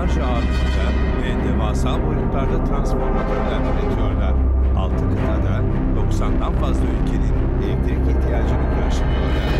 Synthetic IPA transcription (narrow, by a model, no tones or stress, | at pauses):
and͡ʒaat̪ʰɯnd̪a | vɛd̪evaːsalˠbolʲut̪lˠaɾd̪at̪ʰɾanspo̞ɾt̪akʰaɾd̪ʲaɾd̪anet̪ʰijo̞ɾlˠaɾ̥a̰lˠt̪ʰɯnet̪ʰad̪a | d̪̥o̞ksand̪anfazlˠaylʲcʰe̞nʲin | ɛft̪ʰeɾiciht̪ʰijaːd͡ʒɯnʲikʰʲ | ʃanɯjo̞ɾlˠa̰ɾ̥